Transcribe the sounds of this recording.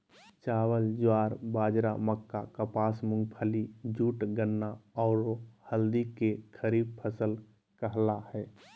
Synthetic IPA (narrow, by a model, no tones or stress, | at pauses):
t͡ʃaːwəld͡ʒwaːɾbaːd͡ʒɾaməkːakəpaːsmʊ̃ŋɡpʰəlid͡ʒuːʈɡənːaɔːɾohəld̪ikekʰəɾiːb̚pʰəsəl | kəɦlahɛː